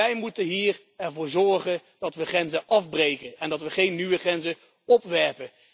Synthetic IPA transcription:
ɛjmutənɦiːr | ɛɹvʊːɹzɔɹχəndɑtʋəχrɛnzəʔɑvbrejkənɛndɑtʋəχejnːyʋəχrɛnzə | ɔpʋɛɹpən

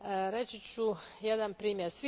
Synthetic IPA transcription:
ɾet͡ɕit͡ɕu | jed̪anpɾiːmjeɾsʋi

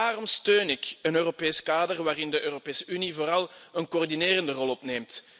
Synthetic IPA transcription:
aːrɔmstøːnɪkənøːropeːskaːdərʋaːɾɪndəʔøːropeːsəynivoːɾɑlˠənkoːrdineːɾəndərɔlˠɔpneːmt

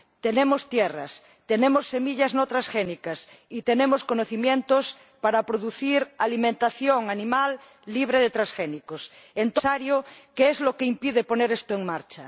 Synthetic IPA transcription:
t̪enẽmost̪jera̰s | t̪enemosːemiʎaznot̪ɾasxenikas | it̪enẽmoskonoθimjẽnt̪os | paɾapɾoðuθiɾalimẽnt̪aθjoŋanĩmalː | iβ̞ɾeðet̪ɾasxenikos | ent̪osaɾjokeezlokeimpið̞eponeɾest̪oeŋmaɾt͡ʃa

